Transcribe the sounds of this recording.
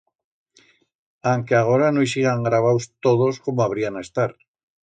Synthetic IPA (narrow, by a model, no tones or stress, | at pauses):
aŋkeaɣ̞oɾanojsiɣaŋɡɾaβ̞awst̪oðoskomoaβɾianest̪aɾ